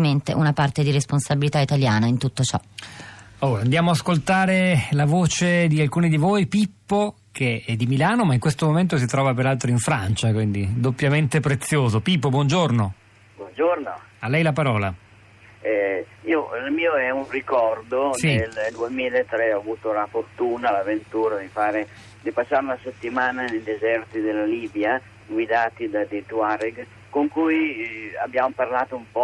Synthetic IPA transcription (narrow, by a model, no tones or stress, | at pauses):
ment̪ḛʔunapart̪ed̪iɾesponsabilit̪ait̪aljaːnaint̪ut̪ːot͡ʃɔ̰ | oːand̪jaːmoaːskolt̪aːɾelavoːt͡ʃed̪ialkuːnid̪ivojpipːo | k̟ʰeɛd̪imilaːnomaiŋkwest̪omoment̪̬os̬it̪ɾɔːvap̬eɾalt̪ɾoiɱfɾant͡ʃakwind̪id̪opːjament̪epɾet̪sːjoːzopipːobwɔnd͡ʒorno | bwɔnd͡ʒorno | alːɛjlapaɾɔːla | ɛiːoilmiːoɛunrikɔrd̪oield̪uemiːleet̪ːɾɛɔavuːt̪olafort̪uːnalavent̪uːɾad̪ifaːɾe | d̪ipasːaɾunaset̪ːimaːnanejd̪ezɛrt̪id̪elaliːbja | ɡwid̪aːt̪id̪ad̪et̪uaɾiɡ | koŋkuja̰bːjamoparlaːt̪oumpɔ